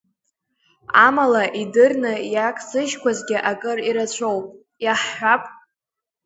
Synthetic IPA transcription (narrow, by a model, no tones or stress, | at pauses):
amalaʔidɨrnɨjakʼsɨʃkʷʰazɡʲɪʔakʼɨriɾat͡ɕʷʰowpʼ | jaħːʷapʼ